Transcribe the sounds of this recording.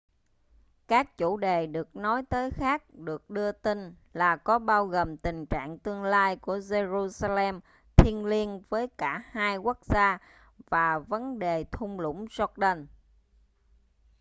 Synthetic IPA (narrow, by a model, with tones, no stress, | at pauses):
kaː˦˥k̚t͡ɕu˧˩ɗe˨˩ɗɨ˨˩ək̚nɔ˨˦jt̪əː˨˦jxaː˦˥k̚ɗɨ˨˩ək̚ɗɨ˧ət̪i˧n | laː˨˩kɔ˨˦ɓaː˧wɣoː˨˩mt̪ï˨˩ŋ̟t͡ɕa̰ː˧˨ŋt̪ɨ˧əŋlaː˧jku˧˩əze˧zu˧saː˧lɛ˧m | t̪ʰi˧ənli˧ənvəː˨˦jkaː˧˩haː˧jkʊ˦˥k̚zaː˧ | vaː˨˩və˨˦nɗe˨˩t̪ʰʊ˧ŋ͡mlʊ̰˧˥ŋ͡mzɔ˦˥k̚ɗə˧n